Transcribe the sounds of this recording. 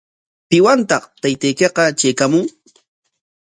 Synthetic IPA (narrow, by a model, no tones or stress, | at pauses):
pɪwant̪ɑχt̪ajt̪ajkeqɑt͡ʃajkamʊŋ